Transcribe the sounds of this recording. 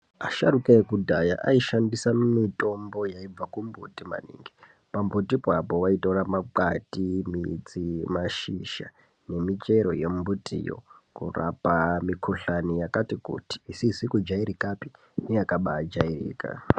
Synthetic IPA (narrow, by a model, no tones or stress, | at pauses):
aʃaɾukaekudʱaja̰ʔa̰iʃandisammito̞mbo̞jaib͡vakumbutima̰nḭŋɡe | pambutipwapo̞ʋaitoramaǃatimit͡simaʃiʃa̰ | ne̞mit͡ʃeɾo̞je̞mbutijo̰kṵra̰pamikʰuɬanijakatikṵti̥ːsizikud͡ʒaiɾikapi | nejakaɓaːd͡ʒairḭːka̰